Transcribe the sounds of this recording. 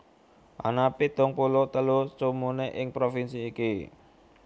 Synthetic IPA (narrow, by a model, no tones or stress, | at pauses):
ʔa̰napit̪ʊŋpulʊt̪əlut͡ʃumuneʔɪŋpɾofinsiːki